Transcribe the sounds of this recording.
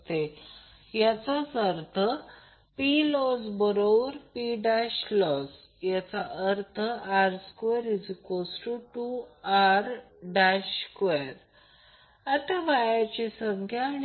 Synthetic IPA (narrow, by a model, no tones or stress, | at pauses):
t̪e | jat͡sat͡səɾt̪ʰə | pilɔd͡zbəɾoʋəɾpiɖaɕlɔd͡z | jat͡saʔəɾt̪ʰəaɾskʋeɾid͡zkosʈuʈuaɾ | ɖaɕkʋeɾ | at̪aʋajat͡ɕisəŋkʰjaːn